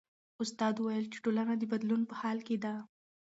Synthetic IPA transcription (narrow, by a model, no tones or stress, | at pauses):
ʊst̪ɑd̪uwajəlt͡ʃe̥ʈolanad̪əbad̪lunpəhɑlked̪a